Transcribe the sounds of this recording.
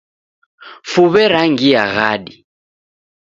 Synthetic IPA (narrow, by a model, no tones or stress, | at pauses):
fuβɛɾaŋɡiaɣaːɗi